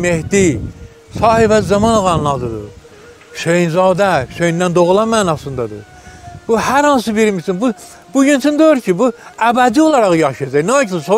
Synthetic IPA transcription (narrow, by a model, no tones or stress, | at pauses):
mehd̪i | sɑːhibæzɑmɑnʁɑnlˠɑd̪ɯd̪ɯ̰ | ʃejnzɑːd̪æʃejind̪ænd̪oʁlˠɑmæːnɑsɯnd̪ɑd̪ɯ | b̥uhæɾhɑns̬ɯbiɾmisinbu | b̥uɟynt͡ʃʰynd̪øjɾcʰibuæbæd̪iolˠɑɾɑʁjɑʃɯjɑd͡ʒæjnoɑkʰsso